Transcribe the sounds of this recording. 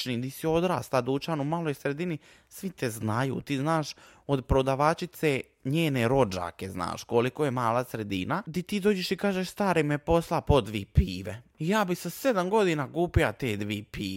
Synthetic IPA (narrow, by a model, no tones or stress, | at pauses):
nit̪isio̞d̪ɾa̰ːst̪ad̪ut͡ʃanumalˠojsɾed̪ini | sʋit̪eznajṵːt̪iːznaːʃ | o̞d̪pɾod̪aʋat͡ʃit̪se | ɲeːne̞ɾo̞d͡ʒa̰ːkezna̰ːʃkolikojemaːlˠasɾe̞d̪ḭnad̪it̪iːd̪oːd͡ʒeʃikaːʒeʃst̪aːɾimepo̞slˠapo̞d̪ʋḭːpiːʋeijaːbisased̪amɡo̞d̪inaɡuːpilat̪eːd̪ʋiːpiː